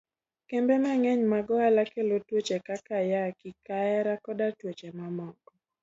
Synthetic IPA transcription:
kembemɛŋɛɲmaɡɔalakelotwet͡ʃekakajakikaɛɾakɔdatwet͡ʃemamɔkɔ

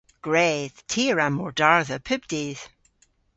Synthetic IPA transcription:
ɡ̥ɹeːð̥tʰiːɹamɔɹdaɹðəpʰʉbdiːð̥

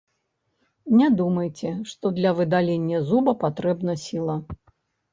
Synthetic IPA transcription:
nʲɛd̪umɐjt͡sʲɛʂt̪ɔd̪lʲɐvɨd̪alʲenʲːɐzubɐpat̪ɾɛbnɐsʲilˠɐ

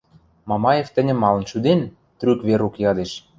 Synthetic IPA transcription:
mɑmɑjeft̪ɘ̆nʲə̆mːɑlɤ̆nʃud̪en | t̪ɾykβeɾukjɑd̪eʃ

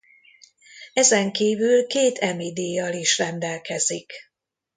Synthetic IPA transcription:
ɛzɛŋkiːvylkeːt̪ʰɛmid̪iːjɒliʃrɛnd̪ɛlkɛzik

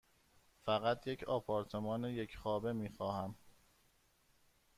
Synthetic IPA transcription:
fæɣæt̪ʰje̞cʰɒːpʰɒːɾt̪ʰe̞mɒːneje̞cʰxɒːbe̞miːxɒːhæm

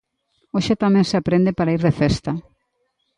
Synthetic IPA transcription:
oʃet̪amẽnseapɾẽnd̪epaɾaiɾðefɛst̪ɐ

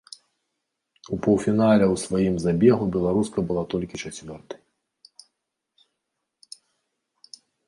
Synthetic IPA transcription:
upɔwfʲinalʲɛwsvajimzabʲɛɣubʲɛlˠaɾuskɐbɨlˠat̪ɔlʲkʲit͡ʂat͡sʲvʲɔrt̪ɐj

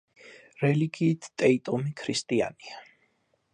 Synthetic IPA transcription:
ɾɛliɡiːt̪ʰt̪ʼɛit̪ʼɔmikʰɾist̪ʼia̰nia

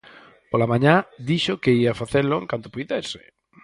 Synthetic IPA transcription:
polamãɲãd̪iʃokeiafaθeɾlʊḛŋkant̪opujðesɪ̥

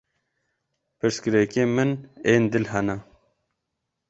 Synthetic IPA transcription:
pɨɾskɨɾekemɨneːnd̪ɪlhɐna

